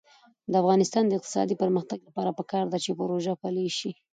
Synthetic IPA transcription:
d̪əafɣɑnɪst̪ɑnd̪əɪq̚t̪ɪ̥sɑ̰d̪ipəɾməxt̪aɡlapɑɾapəkɑɾd̪at͡ʃepəɾoʒapaleʃi

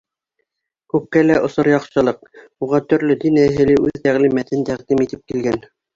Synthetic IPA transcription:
kʉp̚kælæʔŏsoɾjɑqɕɤ̆lˠɤq̚ | uʁɑt̪ɵ̆ɾlɵd̪inæɦɘ̆lɘʔʉðt̪æʁlimæt̪ɘnt̪æʁd̪imit̪ɘp̚kilɡæn

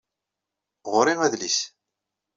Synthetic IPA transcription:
ʁʊɾiʁæðlis

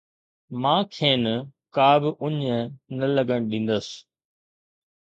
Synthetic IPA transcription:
mãːkʰeːnkaːbɪʔʊɲnɐlɐɡəɽ̃ɗĩːn̆d̪əs

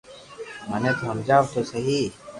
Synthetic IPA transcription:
məneːt̪oɦəmd͡ʒaːʋt̪oːsəɦiː

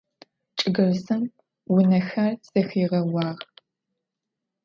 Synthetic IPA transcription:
t͡ʃʼɨɡɐrzɨm | wʊnɐxɐrsɐxiːʁɐwɑːʁ

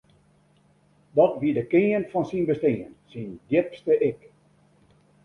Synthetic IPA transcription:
dɔtʋidəkɪənfɔnsinbəsteənsindjɪpstəʔɪk

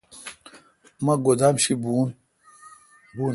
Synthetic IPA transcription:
mɐ̃ɡod̪amɕibu | bu

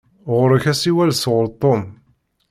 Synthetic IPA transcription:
ʁʊɾəçæsiwælsʁʊɾt̪ˤːom

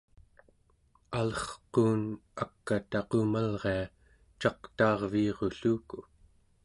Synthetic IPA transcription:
alʌχquːnakːat̪aqomalʁe̞a | t͡ʃɑqt̪ɑːʁviːʁoɬuːku

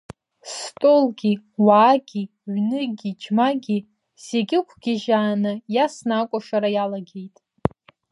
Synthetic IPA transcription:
stʼo̞lɡʲi | waːɡʲi | ʕʷnɨɡʲid͡ʒmaɡʲi | z̥eɡʲɪkʷʰɡ̥ʲɪʒaːnɨjasnakʷʼaʂaɾajalaɡʲe̞jtʼ

